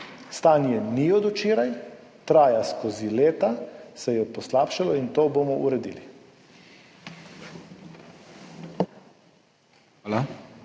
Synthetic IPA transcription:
st̪aːnjɛniɔd̪ɔt͡ʃiːɾaj | t̪ɾaːjaskozileːt̪asɛjɛpɔslaːpʃalɔint̪oːbomɔʔuɾɛd̪ḭːlḭ | la

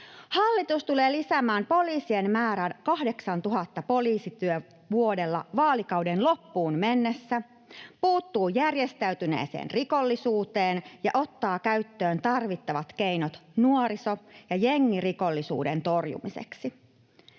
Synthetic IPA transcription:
hɑlːit̪ust̪ule̞ːlisæmæːmpo̞liːsie̞nmæːɾænkɑhde̞ksɑnt̪uɦɑt̪ːɑpo̞liːsit̪yø | ʋuo̞de̞lːɑ̰ʋɑːlikɑwdenlo̞pːuːnmenːesːæ | puːt̪ːuːjærje̞st̪æyt̪yne̞̰ːsḛːnriko̞lːisuːt̪eːnjɑʔo̞t̪ːɑːkæɥt̪ːøːnt̪ɑrʋit̪ːɑʋɑt̪ke̞inot̪nuoɾisojɑjeŋːiriko̞lːisṵːde̞nt̪o̞rjṵmisḛksi

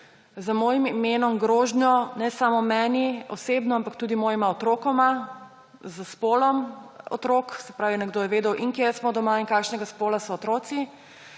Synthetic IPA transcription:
zamoːjimimeːnɔmɡɾoːʒnjɔnɛsamɔmɛːniɔseːbnɔampakt̪uːd̪imoːjimaɔt̪ɾoːkɔma | zəspoːlɔmɔ̰t̪ɾoːksɛpɾaːʋinɛɡd̪oːjɛʋeːd̪ɛwʔiŋkjesmɔd̪ɔmaiŋkaːkʃnɛɡaspoːlasɔːt̪ɾoːsi

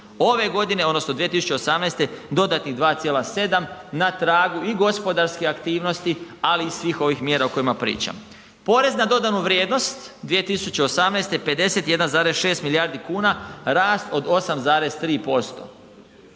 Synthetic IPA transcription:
o̞ʋe̞ɡo̞d̪ine̞o̞d̪no̞snod̪ʋijet̪isut͡ɕe̞osamnejst̪e̞d̪o̞d̪at̪niɣd̪ʋaːt̪sjelase̞d̪amnat̪ɾaːɡuiɡo̞spo̞d̪aɾskeakt̪iːʋno̞st̪ialiːsʋiːxo̞ʋixmjeːɾauko̞imapɾḭːt͡ʃa̰m | po̞ɾe̞znad̪o̞d̪anuʋɾʲje̞ːd̪no̞st̪d̪ʋije̞t̪isut͡ɕe̞osamnejst̪e̞pe̞d̪ese̞t̪je̞d̪anzaːɾesʃe̞ːst̪milijaɾd̪ikuːnaɾaːst̪o̞d̪o̞samzaːɾe̞zt̪ɾiːpo̞st̪o̞̰

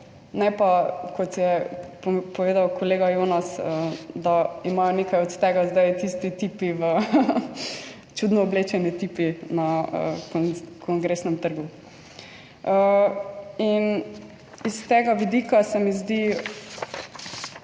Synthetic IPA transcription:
nɛpakɔt̪jɛ | poʋeːd̪awkʰoleːɡajonɔsəd̪aimajɔnekajɔt̪t̪ɛɡazd̪ajt̪ist̪it̪ipiʋə | t͡ʃud̪nɔːblet͡ʃɛnit̪ipinaə̰kkʰɔŋɡɾeːsnɛmt̪əɾɡu | ə | in | ist̪ɛɡaʋid̪ikasɛmizd̪i

